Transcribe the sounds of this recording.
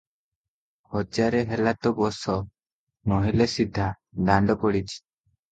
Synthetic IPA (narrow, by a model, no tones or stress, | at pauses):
hɔd͡ʒaɾɛɦɛlat̪ɔbɔsɔ | nɔɦilesid̪ʱːa | daɳɖɔpɔɽit͡ʃ